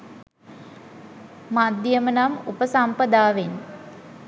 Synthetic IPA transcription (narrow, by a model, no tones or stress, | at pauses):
mad̪jəmənamupəsampəd̪aːʋen